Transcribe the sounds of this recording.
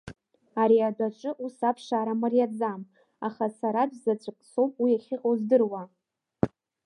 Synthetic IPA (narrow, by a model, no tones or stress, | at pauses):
aɾiadʷaʈ͡ʂʼɨʔusapʰʂaɾamɨrjad͡zam | aχasaɾabzat͡ʃʷʼɨkʼsowpʼwiaχʲɪqʼozdɨrwa